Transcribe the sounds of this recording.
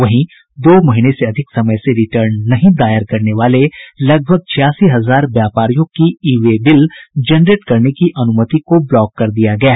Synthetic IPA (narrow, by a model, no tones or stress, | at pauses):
ʋɐɦĩ | d̪oːmɐɦɪneseɐd̪ʱɪksɐməjseɾɪʈəɾnːɐɦĩd̪aːjəɾkɐɾneʋaːlelɐɡ̚bʱəɡ̚t͡ʃʰɪjaːsiɦɐzaːɾʋjaːpaːɾijõkiiːʋebɪld͡ʒɐnɾeːʈkɐɾnekiʔɐnʊmət̪ikoblɔːkːɐɾd̪ijaɡɐjaː